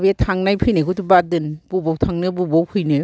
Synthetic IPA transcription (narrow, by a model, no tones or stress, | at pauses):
bietʰaŋnajpʰɯjnɯkʰutubadɯnb̥ubɔwtʰaŋnɯbubowpʰɯjnɯ